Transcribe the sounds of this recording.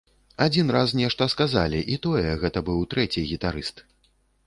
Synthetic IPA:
ad͡zʲinrasnʲɛʂt̪ɐskaza̰lʲiʔit̪ɔjɛɣɛt̪ɐbɨwt̪ɾɛt͡sʲiɣʲit̪aɾɨst̪

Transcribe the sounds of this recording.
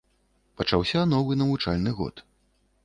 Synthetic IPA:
pɐt͡ʂawsʲɐnɔvɨnɐvut͡ʂalʲnɨɣɔ̰t̪

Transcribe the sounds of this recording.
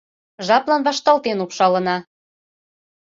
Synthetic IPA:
ʒɑplɑnβɑʃt̪ɑlt̪enupʃɑlɤ̆nɑ

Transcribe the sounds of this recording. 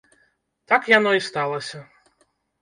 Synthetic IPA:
t̪akjan̪ɔist̪alˠɐsʲɐ

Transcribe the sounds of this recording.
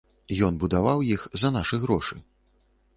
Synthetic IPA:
jɔnbud̪avawjixzɐnaʂɨɣɾɔʂɨ

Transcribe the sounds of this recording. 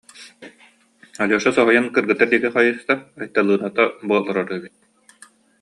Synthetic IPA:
aluːʃasɔɦɔjankɯɾɡɯt̪ːaɾd̪iɛkiχajɯːst̪aːjt̪ːalˠɯːnat̪abuɔlˠːaɾɔɾuɛbit̪̚

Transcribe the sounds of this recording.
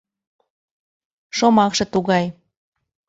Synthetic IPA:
ʃomɑkʃɤ̆t̪uɣɑj

